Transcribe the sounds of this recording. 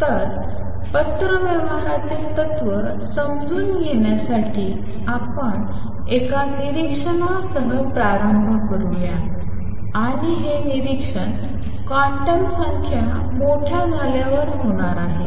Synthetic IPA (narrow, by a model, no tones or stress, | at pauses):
t̪əɾ | pət̪ɾəʋjəʋəɦat̪iːt̪ət̪ʋəɾ | səmd͡zuːnjeɳjasaʈʰiː | apəɳ | ekaniɾikʂəɳasəɦəpɾaɾəmbʱəkəɾulja | aɽ̃iɦeniɾikʂəɳ | kaʈəlsəŋkʰja | moʈʰjad͡zʱaljaʋəɾɦoɽ̃aɾaɦe